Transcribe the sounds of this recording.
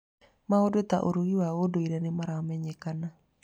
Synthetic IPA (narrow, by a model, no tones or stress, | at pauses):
maodot̪aʔoɾuɣiwaodoiɾɛnemaɾaɔmɛɲekana